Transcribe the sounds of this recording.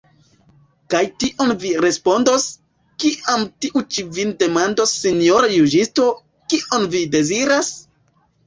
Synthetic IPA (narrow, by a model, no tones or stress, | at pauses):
kajtiʔo̞nviɾe̞spo̞ndo̞s | kiʔamtiʔut͡ʃivinde̞mandosːinioɾajud͡ʒisto̞ | kiʔonvide̞ziɾas